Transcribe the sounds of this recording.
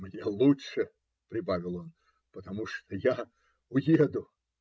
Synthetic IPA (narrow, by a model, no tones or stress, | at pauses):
mnʲelˠuʂɨ | pɾʲɪbavʲɪlˠon | pət̪ɐmuʂt̪oja | ʊjed̪ʊ